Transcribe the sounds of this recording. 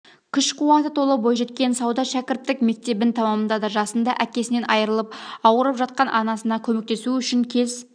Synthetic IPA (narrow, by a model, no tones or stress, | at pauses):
kʲʰʏʃqʰuwɑt̪ət̪ʰo̞lˠəbojʒe̞t̪kʲe̞nsɑwd̪ɑʃækʲɪɾt̪ːɪkme̞k̚t̪e̞bɪnt̪ʰɑmɑmənd̪ɑd̪ɑʒɑsənd̪ɑʔækʲe̞sɪne̞nɑjəɾəlˠəp̚ɑwəɾəpʒɑt̪̚qɑnʔɑnɑsənɑkʲʰɵme̞k̚t̪e̞suʏʃɪŋkʲʰe̞z